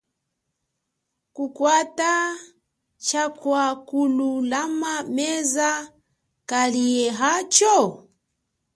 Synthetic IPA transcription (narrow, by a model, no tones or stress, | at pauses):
kukwata | t͡ʃakwakululamamɛza | kaliɛɦat͡ʃɔ